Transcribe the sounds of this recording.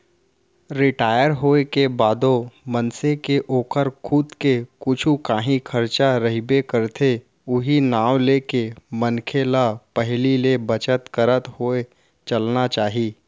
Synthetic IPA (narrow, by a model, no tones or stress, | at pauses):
ɾɪʈaːjəɾɦoːekebaːd̪omənsekeʔoːkəɾkʰʊd̪kekʊt͡ʃʰukaːɦĩkʰəɾt͡ʃaɾəɦibekəɾt̪ʰe | ʊɦinaːwlekemənkʰelapəɦlilebət͡ʃət̪kəɾət̪hoe | t͡ʃəlnat͡ʃaːɦiː